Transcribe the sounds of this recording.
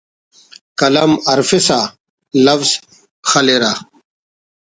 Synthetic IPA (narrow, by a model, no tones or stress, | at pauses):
kɐlɐmɐɾfisa | lɐfz | xɐleɾa